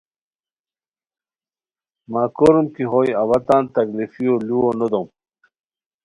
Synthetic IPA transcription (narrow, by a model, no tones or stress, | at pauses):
maːkoɾumkiɦojɐwɐt̪aːnt̪ɐklifijoluwonod̪om